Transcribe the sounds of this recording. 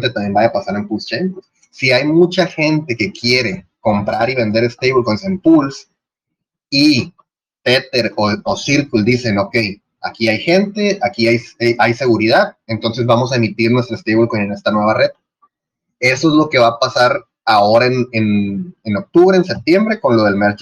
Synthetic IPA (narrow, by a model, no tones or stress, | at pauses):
t̪et̪amje̞mbajapasaɾempulst͡ʃenp̪os | siajmut͡ʃaxe̞nt̪e̞ke̞kje̞ɾe̞ko̞mpɾaɾiβe̞nd̪e̞ɾest̪ejβolkonsempuls | i | t̪e̞t̪e̞ɾoosiɾkuld̪ise̞no̞kej | akiajxe̞nt̪e̞akiajsʔajse̞ɣuɾiðaðe̞nt̪o̞nse̞zβamo̞s̬aemit̪iɾnwest̪ɾoest̪ejβolkonene̞st̪anwe̞βare̞ð | e̞so̞ezlo̞ke̞βapasaɾ | ao̞ɾaeneneno̞k̚t̪uβɾeːns̬e̞p̚t̪je̞mbɾe̞ko̞nlo̞ð̞e̞lmeɾt͡ʃ